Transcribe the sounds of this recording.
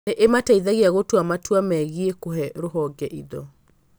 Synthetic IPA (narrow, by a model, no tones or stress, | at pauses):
eʔemataiðaɣiaɣotwamatwamɛɣiekoɦɛɾoɦɔɡɛʔiðɔ